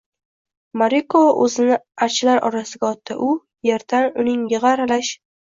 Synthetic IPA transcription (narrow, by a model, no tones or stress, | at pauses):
maɾikovaʔɵzɪnɪat͡ʃʰlaɾɒ̰ɾasɪɡʲaɒt̪ʰːɪʔʊ | jeɾd̪̥anʊnɪŋjɪʁɑɾalaʃ